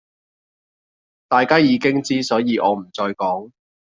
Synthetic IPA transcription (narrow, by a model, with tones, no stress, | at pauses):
t̪aː˨jkaː˥jiː˨˧kɪ˥ŋt͡siː˥sɔː˨˥jiː˨˧ʔɔ̰ː˨˧m̩˨˩t͡ʃɔː˧jkɔː˨˥ŋ